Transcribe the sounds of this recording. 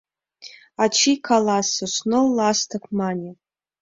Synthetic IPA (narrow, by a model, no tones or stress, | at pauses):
at͡ʃʰikʰalasɨsnolastʰɨkʷʰmanʲe